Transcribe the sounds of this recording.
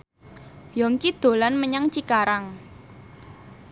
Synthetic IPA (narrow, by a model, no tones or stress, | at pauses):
jɔŋkid̪̥o̤lanməɲaŋt͡ʃikaɾaŋ